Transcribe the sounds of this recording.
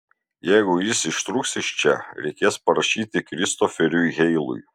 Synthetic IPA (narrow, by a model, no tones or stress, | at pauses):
jɛɪɡʊjɪsɪʃt̪ɾuːksʲɪʃʲt͡ʃʲɛ̰ɾʲɛɪkʲeːspɐɾɐʃʲiːt̪ʲɪkɾʲɪst̪ofʲɛɾʲujɣʲɛɪlˠʊ̰j